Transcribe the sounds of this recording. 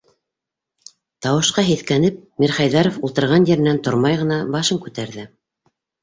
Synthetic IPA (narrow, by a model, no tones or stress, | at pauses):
t̪ɑwɤ̆ʃqɑɦiθkænɘp̚mʲiɾχɑjðɑɾofulˠt̪ɤ̆ɾʁɑnjɘ̆ɾɘ̆nænt̪ŏɾmɑjʁɤ̆nɑbɑʃɤŋkʉt̪æɾðɘ